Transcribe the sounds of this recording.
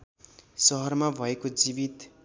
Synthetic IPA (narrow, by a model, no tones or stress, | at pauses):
sʌɦʌrmabʱʌekod͡zibit̪